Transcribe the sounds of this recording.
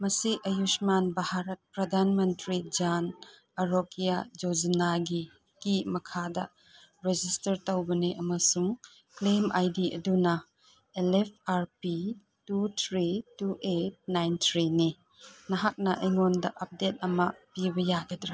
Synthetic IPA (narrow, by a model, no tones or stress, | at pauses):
mɐsiʔɐjusmanbahaɾɐt̚pɾɐdʱanmɐntɾid͡ʒan | ɐɾokijad͡ʒod͡ʒinaɡi | kimɐkʰadɐ | ɾed͡ʒistɐɾtɐwbɐneʔɐmɐsuŋ | klemʔajdiʔɐ̰dunɐ | elep̚ʰaɾpi | tut̪ʰɾituʔet̚najnt̪ʰɾini | nɐɦak̚nɐʔɐjŋondɐʔɐp̚det̚ɐmɐpibɐjaɡɐdɾa